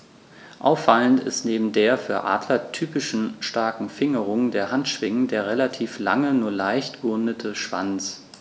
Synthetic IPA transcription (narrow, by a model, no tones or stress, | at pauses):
ʔa̰ʊfːaləntɪ̰stneːbm̩deːɐfyːɐʔa̰ːdlɐtʰyːpɪʃn̩ʃtaɐkŋ̩fɪŋəʁ̞ʊŋdeːɐhantʃv̥ɪŋədeːɐʁelatʰiːfla̰ŋənuːɐlaɪçtɡ̥əʊndətʰəʃv̥a̰nt͡s